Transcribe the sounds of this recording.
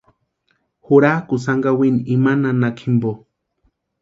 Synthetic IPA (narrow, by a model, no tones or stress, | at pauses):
huɾakʊs̬aŋɡawiniimananakʰimbo